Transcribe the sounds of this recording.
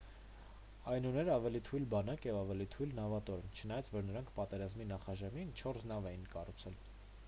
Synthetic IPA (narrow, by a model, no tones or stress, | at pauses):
ɑjnunɛɾəɑvɛlit̪ʰujlbɑnɑkjɛvɑvɛlit̪ʰujlnɑvɑt̪ɔɾɛnt͡ʃʰənɑjɑt͡sʰvɔɾnəɾɑŋkʰpɑt̪ɛɾɑzminɑχɑʒɛmint͡ʃʰɔɾsnɑvɛjinkɑrut͡sʰɛl